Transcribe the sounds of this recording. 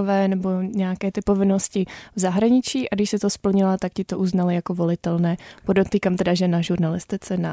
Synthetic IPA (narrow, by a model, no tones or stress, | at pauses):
vɛːnɛbo̞ɲɛakɛːt̪ɪpo̞vɪno̞scɪvzaɦɾaɲɪt͡ʃiːʔaɡdɪʃsɪt̪o̞spl̩ɲɪlat̪akcɪt̪oʔuznalɪjakovo̞lɪt̪ɛlnɛːpodot̪ːiːkamt̪ɛdaʒɛnaʒuɾnalɪst̪ɪt͡sɛna